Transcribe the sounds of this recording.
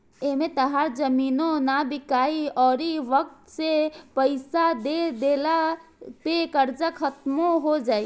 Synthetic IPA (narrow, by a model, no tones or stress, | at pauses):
emẽt̪ɐɦaɾd͡ʒɐmiːnõnabɪkaːiɔːɾiʋək̚t̪sepəɪsad̪ed̪eːlapekəɾd͡ʒakʰət̪mõɦod͡ʒaːi